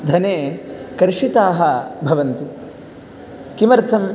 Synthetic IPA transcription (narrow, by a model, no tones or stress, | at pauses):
d̪ʱɐneːkɐɾʂit̪aːɦɐbʱɐʋɐnt̪u | kimɐɾt̪ʰɐm